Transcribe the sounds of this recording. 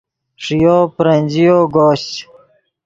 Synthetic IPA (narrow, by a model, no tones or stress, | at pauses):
ʂijoːpɾɐnʲd͡ʑijoːɡoːɕ